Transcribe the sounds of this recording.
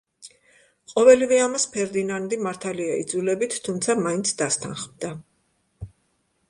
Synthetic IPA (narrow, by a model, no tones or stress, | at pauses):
qʼɔvɛlivɛamaspʰɛɾd̪inand̪imaɾt̪ʰaliaḭd̪zulɛbit̪ʰːumt̪sʰamaint̪sʰd̪ast̪ʰa̰nχmd̪a